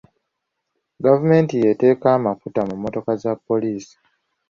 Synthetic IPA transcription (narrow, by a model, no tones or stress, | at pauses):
ɡavume̞ːntije̞te̞ːkaːmafutamumːo̞to̞kazapːo̞liːsi̥